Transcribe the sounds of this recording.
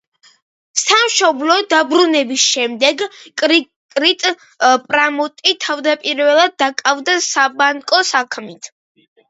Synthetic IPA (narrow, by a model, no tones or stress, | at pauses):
samʃɔblɔd̪abɾunɛbisʃɛmd̪ɛɡkʼɾ | kʼɾit̪ʼ | pʼɾamɔt̪ʼit̪ʰavd̪apʼiɾvɛlˠad̪̚ːakʼavd̪asabaŋkʼɔsakʰmit̪ʰ